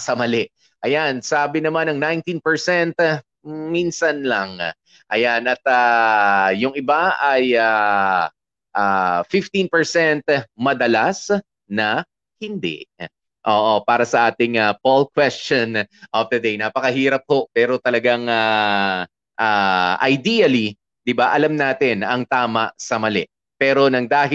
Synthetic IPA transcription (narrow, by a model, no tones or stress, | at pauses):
sɐmɐlɛʔ | ʔɐjansaːbɪnɐmanɐŋnajnt̪inpɛɹsɛnt̪ | minsɐnlɐŋ | ʔɐjanʔɐt̪aː | ʊŋɪbaɐjaː | ʔafɪft̪ĩnpɛɹsɛnt̪̚mɐd̪ɐlas | nɐ | hɪnd̪ɛ̰ʔ | ʔoːʔopaːɾɐsɐʔaːt̪ɪŋɐpolkwɛst͡ʃonʔɐfd̪ɐd̪ejnaːpɐkɐɦiːɾɐp̚ho̞ʔpɛːɾo̞t̪ɐlɐɡaŋa | ʔaʔɐ̰jd̪iɐli | d̪ɪbaʔɐlamnaːt̪ɪnɐŋt̪aːmɐsɐmɐlɛ̰ʔ | pɛːɾo̞nɐŋd̪aːɦɪ